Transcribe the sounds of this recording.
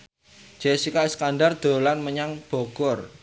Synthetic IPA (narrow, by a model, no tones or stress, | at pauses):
d͡ʒ̥esikaskanɖard̪̥o̤lanməɲaŋb̥o̤ɡ̥ɔr